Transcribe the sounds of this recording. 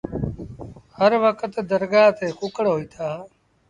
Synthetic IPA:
həɾʋəkʰət̪d̪əɾɡaːt̪ʰeːkʊkəɽɦoːiːt̪ʰaː

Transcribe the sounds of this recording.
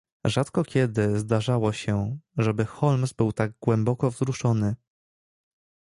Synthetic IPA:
ʐat̪kɔkʲɛd̪ɘzd̪aʐawɔɕɛʐɛbɘxɔlmzbɘwt̪aɡɡwɛmbɔkɔvzɾuʂɔnɘ

